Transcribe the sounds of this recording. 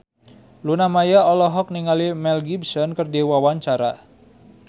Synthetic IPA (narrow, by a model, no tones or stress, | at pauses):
lunamajaɔlɔɦɔk̚niŋalimɛlɡibsɔnkərdewawaɲt͡ʃaɾa